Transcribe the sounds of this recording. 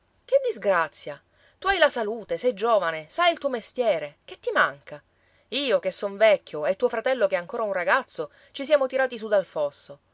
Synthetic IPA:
k̟ed̪ːizɡɾat̪sːja | t̪uajlasaluːt̪esɛjd͡ʒoːvanesajilt̪uːomest̪jɛːɾek̟et̪ːimaŋka | iːokesːoɱvɛkʰʲːjoet̪ːuːofɾat̪ɛlːokeaŋkoːɾaunraɡat̪sːo | t͡ʃisjaːmot̪iɾaːt̪is̬ud̪alfɔsːo

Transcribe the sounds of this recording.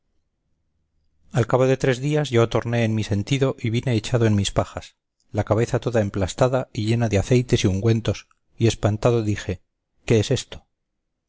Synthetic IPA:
alkaβ̞o̞ðe̞t̪ɾe̞zðiazʝot̪o̞ɾne̞ːnmise̞nt̪iðo̞ʔiβine̞ːt͡ʃaðo̞enmispaxas | lakaβ̞e̞θat̪o̞ðae̞mplast̪aðaiʝe̞naðeaθe̞jt̪e̞siuŋɡwe̞nt̪o̞s | ie̞spant̪aðo̞ðixe̞ | ke̞ese̞st̪o̥

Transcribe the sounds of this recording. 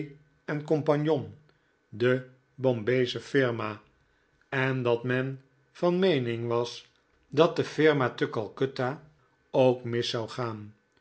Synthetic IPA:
ɛnkɔmpɑnjɔn | də | bɔmbejzəfɪɹmaː | ɛndɑtmɛn | v̥ɑnmejnɪŋʋɑs | dɑt̚dəfɪɹmatəkɑlˠkøta | owkmɪsawχaːn

